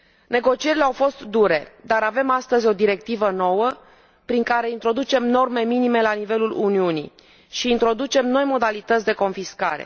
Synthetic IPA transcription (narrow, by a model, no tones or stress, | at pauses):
ne̞ɡo̞t͡ʃie̞ɾileawfo̞st̪d̪uɾe̞d̪aɾave̞mast̪əzʲo̞d̪iɾe̞k̚t̪ivəno̞wə | pɾiŋkaɾe̞int̪ɾo̞d̪ut͡ʃe̞mno̞rme̞minime̞lanive̞luluniunḭ | ʃiːnt̪ɾo̞d̪ut͡ʃe̞mno̞jmo̞d̪alit̪ət̪sʲd̪eko̞nfiskaɾe̞̰